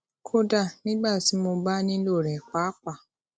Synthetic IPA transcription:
kʰo˦da˨nĩ˦ɡ͡ba˦˨si˨˦mo˨ba˦nĩ˦lo˦˨ɾɛ˨kʷa˨˦kʷa˨

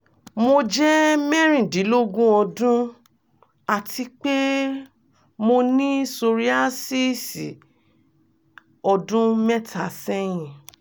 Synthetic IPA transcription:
mo˧d͡ʒɛ˦mɛ˦ɾ̃ĩ˨di˨˦lo˦ɡũ˦ɔ˧dũ˦ | a˨tʰi˧k͡pe˦ | mo˧nĩ˦so˧ɾi˦a˦si˦sḭ˨ | ɔ˧dũ˦mɛ˦tʰa˨sɛ˦j̃ĩ˨

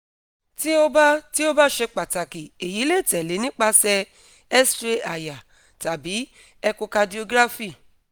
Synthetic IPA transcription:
ti˦o˦ba˦ti˦o˦ba˦ʃe˧k͡pa˨ta˨ki˨e˨ji˨˦le˦˨tɛ˨le˨˦nĩ˦k͡pa˧sɛ˧ | ɛ˦stɾe˦a˨ja˨ | ta˨bi˨˦ | ɛ˧ku˧ka˧di˧o˧ɡɾa˦fi˦˨

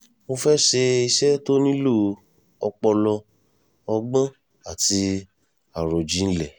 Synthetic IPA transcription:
mo˧fɛ˦ʃe˧i˧ʃɛ˦to˦nĩ˦lo˦˨ | ɔ˧k͡pɔ˧lɔ˧ | ɔ˧ɡ͡bã˦ | a˦˨ti˧ | a˨ɾo˨d͡ʒi˨˦n̩˦lɛ˨

